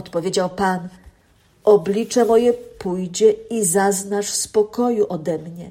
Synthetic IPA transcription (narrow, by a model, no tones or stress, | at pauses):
ɔt̪pɔvʲjed͡ʑawpan | ʔɔblʲit͡ʂɛmɔjɛpujd͡ʑɛizaznaʂfspɔkɔjuʔɔd̪ɛmɲɛ